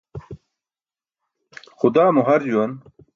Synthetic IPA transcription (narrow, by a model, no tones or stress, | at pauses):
xʊd̪aːmuɦɐɾd͡ʑuwɐn